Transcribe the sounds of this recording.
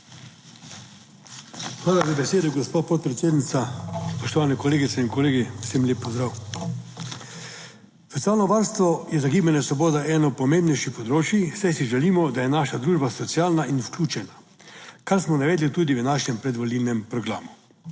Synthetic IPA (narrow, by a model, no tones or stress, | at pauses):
xʋaːlazabɛseːd̪ɔɡɔspoːt̪̚pɔt̪̚pɾɛt̪eːd̪nit̪saspɔʃt̪ɔʋaːnɛkɔleːɡit̪sɛinkɔleːɡiwsemlʲeːpːɔzd̪ɾaw | sɔt̪ijaːlnɔʋaɾst̪ʋɔjɛzaɡiːbanɛsʋɔboːd̪aʔɛːnɔpɔmembnɛjʃixpɔd̪ɾoːt͡ʃjisajsiʒɛliːmɔd̪ajɛnaːʃad̪ɾuːʒbasɔt̪sijaːlnaʔinklʲuːt͡ʃɛna | kaɾsmɔnaʋɛːd̪lit̪uːd̪iʋənaːʃɲɛmpɾɛd̪ʋolilnɛmpɾɔɡɾa̰ːmu